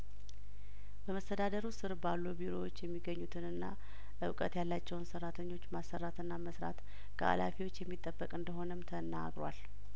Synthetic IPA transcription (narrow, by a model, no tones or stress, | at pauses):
b̥əməst̪ʰəd̪ad̪əɾusɨɾbalːubiɾo̞wo̞t͡ʃːjɛmːiɡəɲːut̪ʰɨnɨnːa | ʔɨ̰wkʼət̪jalːat͡ʃːɛwunsərːat̪ʰəɲːo̞t͡ʃːmasːərːat̪ɨnːaməsɾa̰t̪ | kʰə̰ʔa̰lafiwo̞t͡ʃːjɛmːit̪ʼːəbːəkʼɨnd̪əɦo̞nəmt̪ʰəna̰ɡɾa̰l